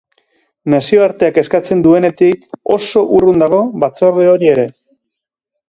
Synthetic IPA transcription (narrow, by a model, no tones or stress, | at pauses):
nasio̞aɾt̪e̞ake̞skat͡se̞nd̪ue̞ne̞t̪iko̞̰so̞ʔurund̪aɣo̞βat͡so̞ɾðeo̞ɾie̞ɾe̞